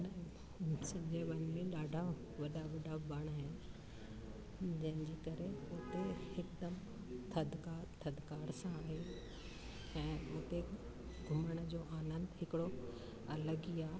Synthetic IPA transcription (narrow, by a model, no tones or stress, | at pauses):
n | sɐbd͡ʑeʋɐnmẽɗaːɖʱa | ʋɐɗaʋɐɖʱabəɽ̃ɦe | d͡ʑɐ̃ɦɪ̃nɲd͡ʑiːkɐɾeʊt̪ehɪkd̪əm | t̪ʰɐd̪ʱkaːɾt̪ʰɐd̪kaːɾsãaːɦe | ɛ̃ːʊt̪e | ɡʱʊməɽ̃d͡ʑoːʔaːnə̃nd̪ɦɪkɪɽo | ɐləɡiaː